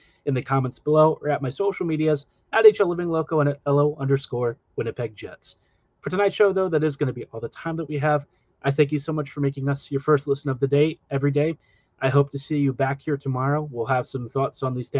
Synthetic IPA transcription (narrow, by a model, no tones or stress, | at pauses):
ɨ̃nðɨkʰɑmɛ̃ntsb̥əloʊʔə˞ɨt̚maɪsoʊʃl̩ˠmiɾiɨz | ʔɨɾeɪt͡ʃɛlˠɪvɪ̃ŋloʊkoʊə̃ñɨɾɛlˠoʊʔʌ̃ndə˞skɔɹ | wɨ̃nɨt̚pʰɛɡ̚d͡ʒɛ̰ts | fə˞tʰɨnaɪtʃoʊðoʊðɨɾɨzɡʌnɨbiʔɔlˠðətʰãɪ̃mðət̚wiɨv | ʔaɪθæ̃ŋk̬jɨsoʊmʌt͡ʃfə˞meɪkɪ̃ŋʌsjə˞fɜ˞stˡlɪsɨ̃n̩ʌvðɨdeɪɛvɹideɪ | ʔaɪɦoʊp̚tʰɨsijɨbækhiɹtʰəmɑɹoʊwɪlˠəv̥sʌ̃mθɔtsn̩ðiz̥tʰæ̃